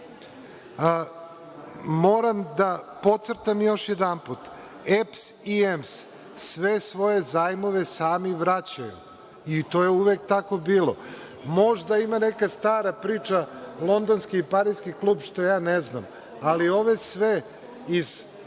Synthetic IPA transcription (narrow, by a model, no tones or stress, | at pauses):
mo̞ːɾamd̪apo̞t̪sɾt̪amjo̞ʃjed̪anput̪ | epsiems | sʋesʋo̞je̞zaːjmo̞ʋe̞saːmiʋɾat͡ɕajṵ | it̪oːjeuʋek̚t̪ako̞biːlo̰ | mo̞ʒd̪aimanekast̪aːɾapɾiːt͡ʃalˠo̞nd̪onskiːpaɾiskiklˠuːbʃt̪o̞jaːnezna̰m | alio̞ʋe̞sʋe | iz